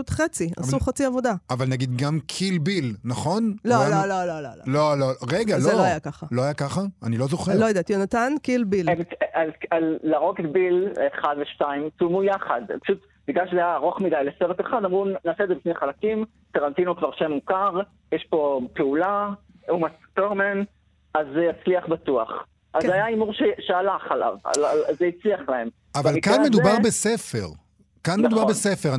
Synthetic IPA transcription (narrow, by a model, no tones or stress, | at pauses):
ut̪χet͡sia̰suχat͡siavod̪aavalnaɡid̪ɡamkʰilbilnaχo̞nloalolololo̰lo̰loloʁeɡalzeloajakaχalo̞ajakaχaanilo̞zoχelojod̪at̪jonat̪ankilbilemalalːaʁoketbileχad̪veʃtaimt͡sumujaχad̪pḁʃut̪ | biɡaʃleaːʁo̞χmidajleseʁet̪eχadamʁunaːsedzebifnejχalakim | taʁant̪inokvaʁʃemukaʁ | jɛʃpo̞peula | umatt̪oʁmen | azjat͡sliaχbatua̰χ | ʔazajaimuʁʃeʃealaχala̰va̰lazeit͡sliaχlae̞m | avalikanmed̪ubaʁbesefḛʁ | kanmed̪ubaʁbesefeʁ